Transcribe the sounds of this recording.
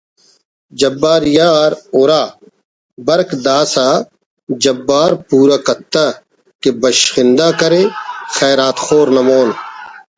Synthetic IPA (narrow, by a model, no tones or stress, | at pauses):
d͡ʒɐbːaːɾjaːɾoːɾaː | bɐɾkd̪aːsaː | d͡ʒɐbːaːɾpuːɾaːkɐt̪ːãː | kebɐʃxɪ̃nd̪aːkɐɾeːxɛːɾaːt̪xoːɾnɐmoːn